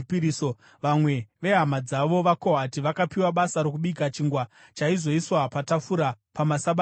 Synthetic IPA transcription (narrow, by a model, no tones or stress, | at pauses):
piɾiso | ʋamwe̞ʋe̞ɦamad͡zaʋo̞ʋako̞ɦatiʋakapiwaɓasaɾok̬uɓiɡat͡ʃiːŋɡwat͡ʃaizo̞iswapatafuɾa | pamasaɓa